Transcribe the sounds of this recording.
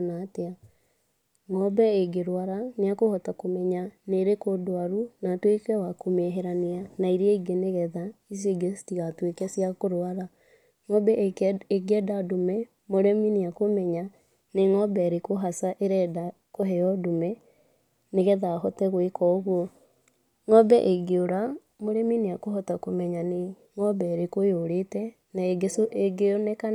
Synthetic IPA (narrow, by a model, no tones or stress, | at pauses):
natea | ŋɔbɛeɡeɾwaɾaneakohɔtakomɛɲaneɾekodoaɾunatwekɛwakomɛɦɛɾaneanaiɾeaiɡeneɣɛðais̬eɡestiɣatwekɛsjakoɾwaɾa | ŋɔbɛeɡɛdadomɛ | moɾɛmineakomɛɲa | neŋɔbɛɾekoɦasaʔeɾɛda | koɦɛjɔdumɛ | neɣɛðahɔtɛɣwekɔɣwɔ | ŋɔbɛʔeɡeoɾa | moɾɛmineakoɦɔtakomɛɲane | ŋɔbɛɾekojoɾetɛ | naeɡesoeɡeonɛka